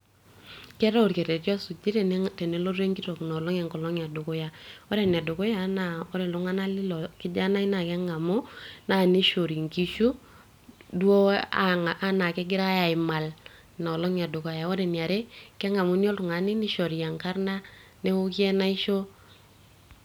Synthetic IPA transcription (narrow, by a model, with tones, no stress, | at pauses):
kɛ˦ɾɔ˦˨ɾke˨ɾɛ˨tjɔ˦su˨t͡ʃi˦ɾe˨nte˨ne˦lo˦ɾe˦ŋki˦to˨knɔ˨lɔ˦ŋɛ˨ŋkɔ˨lɔ˦ŋa˨du˨kɔ˦ja˨ɔ˦ɾe˨n˨a˨du˨kɔ˦ja˦na˨ɔ˦ɾe˨lu˦ŋa˦na˦lɪ˦lɔ˨kɪ˦d͡ʒa˦na˦i˦na˨kɛ˦ŋa˨mu˦na˨ni˦ʃo˨ɾi˨ŋki˦ʃu˦ | du˦o˦a˦ŋa˨ʔa˦na˨kɛ˦ɡɪ˦ɾa˦ja˨ɪ˨ma˨l | nɔ˨lɔ˦ŋa˨du˨ko˨ja˨o˦ɾe˨ni˨a˨ɾe˦kɛ˦ŋa˨mu˨˦ni˦o˦lu˨ŋa˨ni˦ni˦ʃo˨ɾi˨ja˨ŋka˦ɾna˦ne˦u˦ki˦ɛ˦na˦i˦ʃo˦